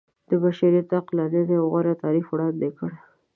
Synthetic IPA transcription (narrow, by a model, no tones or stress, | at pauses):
d̪̥əbaʃaɾit̪aqlanezewɣaɾat̪ɑɾifwɽɑnd̪ekəɽ